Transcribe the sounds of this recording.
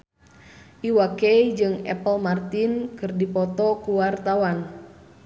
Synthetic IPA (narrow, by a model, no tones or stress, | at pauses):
ʔiwakɛjd͡ʒɨŋɛ̰pəlmart̪inkɨrdipɔt̪ɔkuwart̪awan